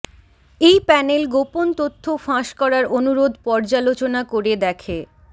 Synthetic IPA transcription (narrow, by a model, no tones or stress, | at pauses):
ejpɛnelɡopont̪ot̪ʰːofãʃkɔɾaɾonuɾod̪ʱpɔɾd͡ʑalot͡ɕonakoɾed̪ɛkʰe